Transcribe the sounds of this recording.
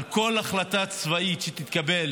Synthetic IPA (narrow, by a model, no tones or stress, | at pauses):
ko̞laχlat̪at͡svait̪ʃet̪it̪kabe̞l